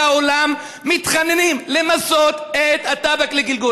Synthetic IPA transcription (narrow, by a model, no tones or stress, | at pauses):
aolamː | it̪χanenimlemaso̞t̪et̪hat̪abakleɡilɡu